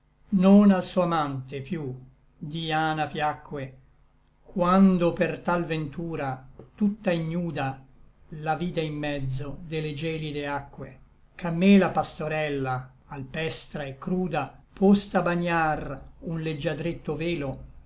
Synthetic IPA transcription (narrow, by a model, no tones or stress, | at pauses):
nonalsuamant̪epju | d̪iaːnapjakːwe | kwand̪opert̪alvent̪uːɾat̪ut̪ːaiɲːuːd̪a | laviːd̪aimːɛd̪zːod̪eled͡ʒɛːlid̪eakːwe | kamːelapast̪oɾɛlːaː | lpɛst̪ɾaekːɾuːd̪apʰost̪abaɲːarunled͡ʒːad̪ɾet̪ːoveːlo